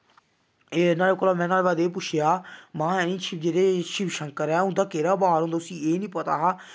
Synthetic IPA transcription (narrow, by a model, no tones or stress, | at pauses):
enaːleːkoːlaːmɛ̃ːnaːleːbaːd̪eːp̬ʊt͡ʃʰjaːmãːɛːnĩːt͡ʃʰɪd͡ʒeːɽeːʃɪʋʃəŋkəɾɛːɦʊ̃nd̪aːkeːɾaːbaːɾõnd̪oʊsĩːeːnĩːpət̪a̰ːaː